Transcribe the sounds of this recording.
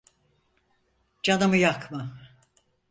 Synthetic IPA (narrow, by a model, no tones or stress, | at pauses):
d͡ʒanɯmɯjakʰmɯ